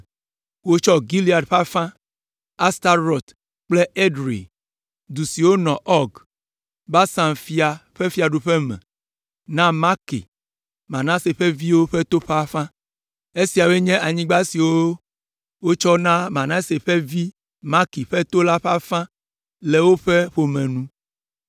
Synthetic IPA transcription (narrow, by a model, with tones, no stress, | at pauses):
wo˦t͡ʃɔ˦ɡi˦li˦a˨ɖɸa˦fã˦ | a˦st̪a˦ɾɔ˨t̪ | k͡ple˦e˦ɖɾḭ˨ | d̪u˨si˨wo˦nɔ̃˨ʔɔ˦ɡ | ba˦sã˨mfi˦a˨ɸe˦fi˦a˨ɖu˨ɸe˦mɛ̰̃˨ | nã˦ma˦kḭ˨ | mã˨nã˦se˨ɸe˦vi˦wo˦ɸe˦t̪o˦ɸa˦fã˦ | e˦si˨a˨be˦ɲɛ̃˦ʔa˨ɲĩ˦ɡ͡ba˦si˨wo˦ | wo˦t͡ʃɔ˦nã˦mã˨nã˦se˨ɸe˦vi˦ | ma˦ki˨ɸe˦t̪o˦la˦ɸa˦fã˦ | le˨wo˦ɸe˦ɸo˨mɛ̃˨nũ˦